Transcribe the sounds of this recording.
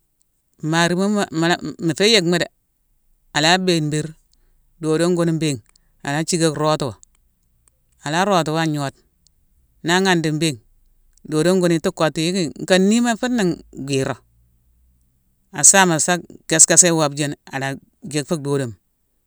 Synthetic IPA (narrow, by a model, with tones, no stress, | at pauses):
ma˨ɾi˨ma˦˨m˨mi˨fe˦je˨kme˦de˨ | a˨la˦be˦˨nbi˦ɾ | do˨do˦ŋɡo˦ni˦mbe˦˨ŋ | a˨la˦t͡ʃi˦ɡe˦kɾo˦tu˨wa˨ | a˨la˦ɾo˨tu˨wa˦ɲo˨˦t̚ | na˦ŋa˦˨ndi˨mbe˦˨ŋ | doː˨do˦ŋɡo˦ni˨tu˦kːo˨tːi˨ji˦ki˦ŋ˨ka˦nːi˦ma˦fi˦tna˨ŋɡʷi˨ɾo˨ | a˨sa˦ma˨sa˦ke˨ska˦se˦wa˨bd͡ʒe˦na˨la˨ | ɡe˨kfu˦k̚doː˨do˨m